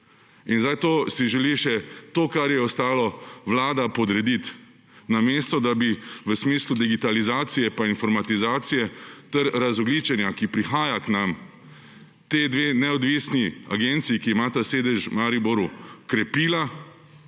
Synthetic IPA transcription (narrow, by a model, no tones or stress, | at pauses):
inzajt̪oːsiʒɛliʃɛt̪oːkaɾjɛɔst̪aːlɔʋlaːd̪apɔd̪ɾɛd̪it̪ | nameːst̪ɔd̪abiʋəsmiːslud̪iɡit̪alizaːt̪sijɛpainfɔɾmat̪izaːt̪sijɛt̪ɛɾɾazɔɡliːt͡ʃɛnjakipɾixaːjaknam | t̪ed̪ʋeːnɛɔd̪ʋiːsnia̰ɡent̪siikiimaːt̪aseːd̪ɛʒmaɾibɔɾukɾɛpiːla